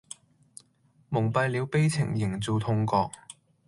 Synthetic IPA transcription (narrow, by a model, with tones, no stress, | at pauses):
mʊ˨˩ŋpɐ˧jli˨˧wpe˥jt͡sʰɪ̰˨˩ŋjɪ˨˩ŋt͡so˨˧wt̪ʰʊ˧ŋkɔː˧k̚